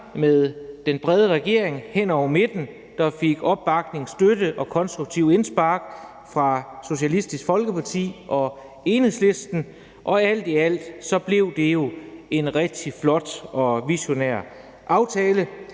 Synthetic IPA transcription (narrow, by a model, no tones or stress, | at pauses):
meðˠd̥enb̥ʁɛð̞ˠəʁaɡ̥e̝ɐ̰e̝ŋhen̰ɒʊ̰me̝d̥n̩ | d̥ɑ̈fe̝ɡ̥ɒ̽b̥ːɑ̈ɡ̥ne̝ŋsd̥ødəʔɒ̽kʰɒ̽nsd̥ʁuɡ̥̚t͡sʰiʊ̰e̝nsb̥ɑ̈ːɡ̥ | fʁɑ̈so̝ɕælisd̥isɡ̥fɒ̽lɡ̥əpʰɑ̈t͡sʰḭːʔɒ̽ | e̝nhe̝ðˠsle̝sd̥n̩ | ʔɒ̽æl̰d̥iæl̰d̥sɒ̽b̥le̝ʊd̥e̝jo̝e̝nʁɛɡ̥̚d̥ʰiflɒ̽d̥ɒ̽ʋiɕo̝neɐ̰ | ʔɑ̈ʊt͡sʰɛːlə